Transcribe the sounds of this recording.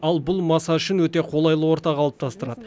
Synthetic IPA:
ɑlˠbʊlˠmɑsɑʏʃɪnwɵt̪e̞qʰo̞lˠɑjlˠəwo̞ɾt̪ɑqʰɑlˠəp̚t̪ʰɑst̪əɾɑd̪ə

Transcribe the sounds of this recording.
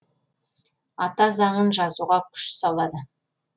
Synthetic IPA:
ɑt̪ɑzɑɴənʒɑzuʁɑkʲʰʏ̥ʃɪ̥sɑlˠɑd̪ə

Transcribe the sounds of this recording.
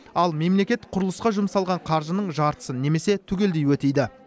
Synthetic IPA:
ɑlˠme̞mle̞kʲe̞t̪qʰʊɾəlˠəsqɑʒʊmsɑlˠʁɑɴqʰɑɾʒənəɴʒɑɾt̪ə̥səne̞me̞se̞t̪ʰʏɡʲe̞ld̪ejwɵt̪ejd̪ɪ

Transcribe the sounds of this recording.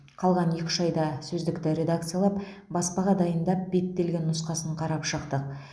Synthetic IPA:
qʰɑlˠʁɑnje̞kʲɪ̥ʃɑjd̪ɑsɵzd̪ɪkt̪ɪɾʲe̞d̪akt̪sɨjalˠɑp̚ | bɑspɑʁɑd̪ɑjənd̪ɑp̚b̥e̞t̪ːe̞lɡʲe̞nːʊsqɑsəɴqʰɑɾɑpʃəqt̪əq̚

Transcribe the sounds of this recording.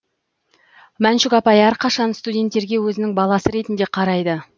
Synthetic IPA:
mænʃɪkɑpɑjæɾqʰɑʃɑnst̪udʲe̞nt̪ːe̞ɾɡʲe̞wɵzɪnɪŋbɑlˠɑsəɾe̞t̪ɪnd̪e̞qʰɑɾɑjd̪ə

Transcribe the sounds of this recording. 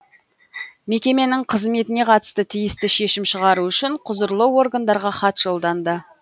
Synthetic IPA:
me̞kʲe̞me̞nɪŋqʰəzme̞t̪ɪne̞qʰɑt̪ə̥st̪ət̪ʰijɪst̪ɪʃe̞ʃɪmʃəʁɑɾuʏʃɪɴqʰʊzəɾlˠəwo̞rɡand̪ɑɾʁɑχɑt̪ʒ̥o̞lˠd̪ɑnd̪ə

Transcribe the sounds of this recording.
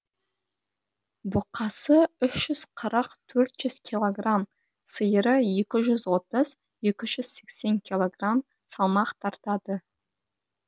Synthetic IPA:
bʊqʰɑsəʏʃʒ̥ʏz̥qʰəɾəqt̪ʰɵɾt̪ʒ̥ʏz̥kʲʰilˠo̞ɡram | səjəɾəje̞kʲɪʒʏzwo̞t̪əz | je̞kʲɪʒʏz̥se̞kse̞ŋkʲʰilˠoɡram | sɑlˠmɑqt̪ʰɑɾt̪ɑd̪ə

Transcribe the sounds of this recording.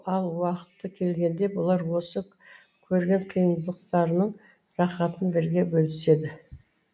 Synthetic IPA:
ɑlˠwɑqə̥t̪ːəkʲʰe̞lɡʲe̞nd̪e̞bʊlˠɑɾwo̞sə | kʲʰɵɾɡʲe̞ɴqʰijənzd̪ˠəq̚t̪ɑɾənəɴ | ɾɑχɑt̪ənbɪɾɡʲe̞bɵlɪse̞d̪ɪ

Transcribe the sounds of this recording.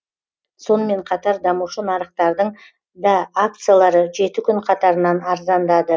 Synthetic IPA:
so̞nəme̞ɴqʰɑt̪ɑɾd̪ɑmuʃənɑɾəq̚t̪ɑɾd̪əɴ | d̪ɑːk̚t̪sɨjalˠɑɾəʒe̞t̪ɪkʲʰʏɴqʰɑt̪ɑɾənɑnɑɾzɑnd̪ɑd̪ə

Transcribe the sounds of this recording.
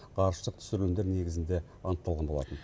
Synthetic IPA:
qʰɑɾəʃt̪əq̚t̪ʰʏ̥sɪɾɡʲemd̪e̞ɾne̞ɡʲɪzɪnd̪e̞ | ɑnəqt̪ːɑlˠʁɑnbo̞lˠɑt̪ən

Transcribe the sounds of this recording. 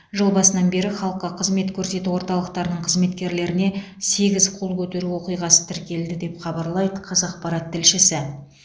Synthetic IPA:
ʒolˠbɑsənɑnbe̞ɾɪχɑlˠəqːɑqʰəzme̞t̪kʲʰɵɾse̞t̪uwo̞ɾt̪ɑlˠəq̚t̪ɑɾd̪əɴqʰəzme̞t̪kʲe̞ɾle̞ɾɪne̞ | se̞ɡʲɪzqʰo̞lˠkʲʰɵt̪e̞ɾuwoqijʁɑsə̥t̪ʰɪɾkʲe̞ld̪ɪd̪e̞pχɑbɑɾlˠɑjd̪əqʰɑzɑq̚pɑɾɑt̪ʰːɪlʃɪsɪ

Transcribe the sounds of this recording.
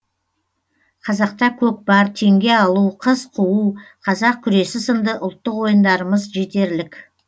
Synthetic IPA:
qʰɑzɑq̚t̪ɑkʲʰɵk̚bɑɾt̪ʰe̞ŋɡʲe̞ɑlˠuqʰəzqʰuwuqʰɑzɑq̚kʲʰʏɾe̞sɪsənd̪əʔʊlˠt̪ːəqwo̞jənd̪ɑɾəməzʒe̞t̪e̞ɾlɪkʲ

